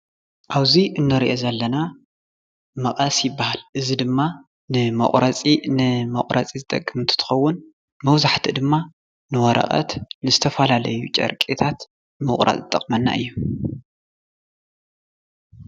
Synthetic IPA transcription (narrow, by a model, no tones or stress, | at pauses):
ʔaβziʔɨnːɐɾiʔozɐlːɐna | mɐχʼɐsjɪbːahalʔɨzid̪ɨmːa | nɨmɐ̰χʼɾat͡sʼinɨmɐ̰χʼɾɐt͡sʼizɨt̪ʼɐ̰kʼːɨmɨnt̪ʰu̥t̪ʰɨ̥xɐwːʊn | mɐwzaħt̪ʰid̪ɨmːa | nɨwɐɾʔɐ̰χʼɐ̰t̪nɨzɨt̪ʰɐfɐlalɐjut͡ʃʼɐ̰ɾkʼit̪ʰat̪ | mɨχʼɾʔa̰t͡sʼzɨt̪ʼːɐχʼmɐnːa̰ʔɨjːu